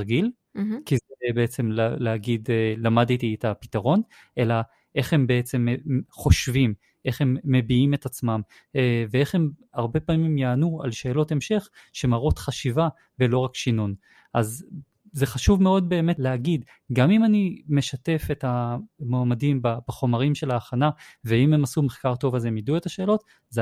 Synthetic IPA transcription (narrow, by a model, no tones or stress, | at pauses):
ɡil | kizebeet͡se̞mlleaɡidelamadt̪ietapitaʁo̞n | ʔe̞la | ʔe̞χhembe̞et͡se̞meχo̞ʃvim | ʔe̞χhe̞mːe̞biime̞tat͡smam | evee̞χhe̞maʁbe̞paːmimjaːnua̰lʃe̞ːlo̞te̞mʃe̞χʃemaʁo̞t̪χaʃiva | velo̞ʁakʃinun | ʔaz | zeχaʃuvmeo̞d̚be̞ːmetleaɡid | ɡamimanime̞ʃate̞fetamoamadimbabaχo̞maʁimʃe̞laːχanaveime̞masumeχkaʁto̞vazemidue̞taʃe̞ːlo̞t | z